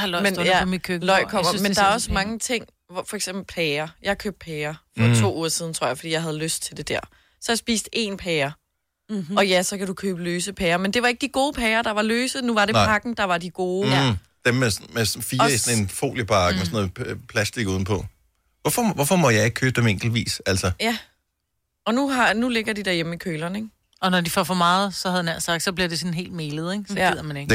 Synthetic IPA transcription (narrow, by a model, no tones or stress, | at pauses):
menjæmkʰølɒɪ̰kʰɒ̽mɐmend̥ɑæɐɒ̽smɑ̈ŋət͡sʰe̝ŋ̰ | ʋɒfɒ̽eɡ̥semb̥l̩pʰɛːɐjɑ̈ɪhkʰøːb̥̚d̥̚pʰɛːɐfɒt͡sʰʋo̝̰ːuːɐsiðˠn̩t͡sʰʁo̝ɐjɪfɒdḭːjɑ̈ɪɦæð̞ˠløsd̥̚t͡sʰe̝ld̥e̝d̥æɐ̰ | sɒ̽jasb̥ḭːsd̥ʔe̝npʰɛːɐ | ɒ̽jæsɒ̽kʰæd̥ukʰøːb̥əløːsəpʰɛːɐmend̥e̝ʋɑ̈e̝ɡ̥̚d̥iɡ̥o̝ːpʰɛːɐd̥ɑ̈ʋɑ̈løːsənuʋɑ̈ɾe̝pɑ̈ɡ̥n̩d̥ɑ̈ʋɑ̈diɡ̥o̝ː | d̥emːesmesɔnfiːɐisɔne̝nfo̝̰ːljəpʰɑ̈ːɡ̥əmesɔnɔð̩ˠpʰlæsd̥iɡ̥uðˠn̩pʰɒ̽ | ʋɒfɒʋɒfɒmɒjɑ̈ɪe̝ɡ̥̚kʰøːb̥̚d̥emeŋ̰ɡ̥l̩dʋḭːsæl̰sɐjæ | ɒ̽nuɦɑ̈nule̝ɡ̥ɐdid̥æɐjem̩ikʰøːlɐneɡ | ɒ̽nɒdifɒfɒmɑ̈ːð̩ˠsɒ̽hæð̞̩ˠnæɐ̰sɑ̈ɡ̥̚d̥sɒ̽b̥liɐd̥e̝sɔ̽nɦe̝̰ːld̥̚meːlð̞̩ˠeɡ̥sɒɡeð̰ˠɐmæne̝ɡ̥